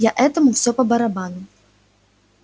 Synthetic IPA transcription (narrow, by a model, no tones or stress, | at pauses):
jaʔɛt̪ɐmuwsʲɔpɐbɐɾabanu